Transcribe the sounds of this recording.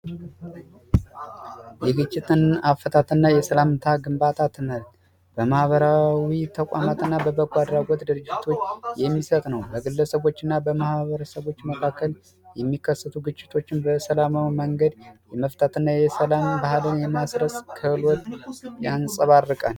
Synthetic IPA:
jɛɡɨt͡ʃʼːɪt̪ʰʼɨnafːət̪ʰat̪ʰɨnːajɛsəlamt̪ʰaɡɨmbat̪ʰat̪ʰɨməlt̪ʼ | b̥əmahβəɾawit̪ʰəkʷʼa̰mat̪ɨnːabəbəɡwad̪ɾaɡot̪d̪ɨɾɨd͡ʒːɪt̪ʰo̞t͡ʃːjɛmːisət̪ʼnəwbəɡɨlːəsəβo̞t͡ʃːɨnːabəmahβəɾəsəβo̞t͡ʃːməkʰakːəl | jɛmːikːəsːət̪ʰuɡɨt͡ʃʼːɪ̥t̪ʰo̞t͡ʃːɪnbəsəlamawiməŋɡəd̪jɛməft̪ʰat̪ʰɨnːajɛsəlambahɨlɨnjɛmasɾəsʼkʰəhɨlwɔt̪ʼjansʼəβarːɨkʼan

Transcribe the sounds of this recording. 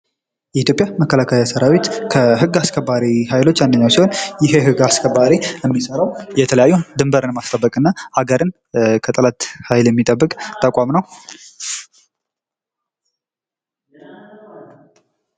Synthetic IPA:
jɛit̪jopʼjaməkːəlakʰajasəɾawit̪kʰəɦɨɡːaskʰəbaɾihajlo̞t͡ʃːand̪əɲːawsiho̞njɪɦeɦɨɡaskʰəbaɾijɛmːisəɾawjɛt̪ʰələjajːud̪ɨmbəɾɨnmast̪ʼəbːəkʼɨnːaaɡəɾɨn | kʰət̪ʼəlat̪hajljɛmːit̪ʼəbːɨkʼt̪ʼəkʷʼamnəw

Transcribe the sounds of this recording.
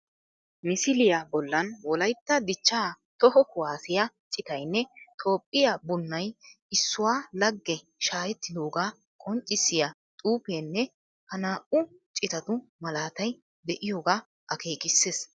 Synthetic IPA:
mɪsɪlɪjabɔlːɐnwɔlɐjt̪ːɐd̪ɪt͡ʃːaː | t̪ɔhɔkʊwaːsɪja | t͡ʃʼɪt̪ɐjnːɛt̪ʰʼo̞ːpʼːɪjabʊnːɐj | ɪsːʊwaːlɐɡːɛ | ʃaːjɛt̪ːɪd̪o̞ːɡaː | kʼɔnt͡ʃʼːɪsːɪjɐ | t̪ʼuːpeːnːɛ | hɐnaːʔʊ | t͡ʃʼɪt̪ɐt̪ʊmɐlaːt̪ɐj | d̪ɛʔɪjoːɡaː | ʔɐke̞ːkʼɪsːeːs

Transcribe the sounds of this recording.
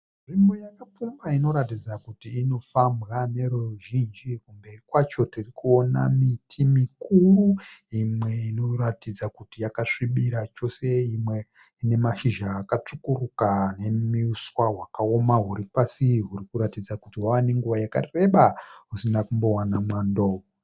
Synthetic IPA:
ʐimojakap͡fumaino̞ɾatid͡zakutiːno̞fambɣane̞ɾuruʒind͡ʒikumbe̞rikwat͡ʃo̞tirikuo̞na̰mitʰimikuruimwe̞ino̞ratid͡zakutijakaʂiɓiɾat͡ʃo̞se̞imwe̞ | ine̞maʃiʒaːkat͡ʂukurukane̞miuswaɦwakao̞maɦuɾipasiɦurikuɾatid͡zakutiɦwawane̞ŋɡuʋajaka̰re̞ɓaɦusinakumbo̞wanamwando̞ːʋo

